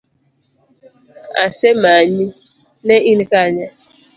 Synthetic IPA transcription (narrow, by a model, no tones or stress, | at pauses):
a̰sɛmaɲi | nɛʔinkaɲa